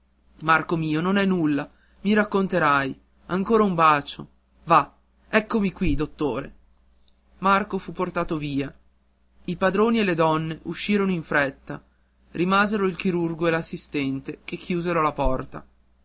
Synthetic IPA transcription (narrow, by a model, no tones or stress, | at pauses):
markomiːononɛnːulːa | miɾakːont̪eɾaj | aŋkoːɾaumbaːt͡ʃo̰ | va | ɛkːomikwid̪ot̪ːoːɾe | markofupːort̪aːt̪oviːa | ipad̪ɾoːnielːed̪ɔnːeʔuʃːiːɾonoiɱfɾɛt̪ːa | rimaːzeɾoilk̟iɾurɡoelasːist̪ɛnt̪ek̟ekːjuːzeɾolapɔrt̪a̰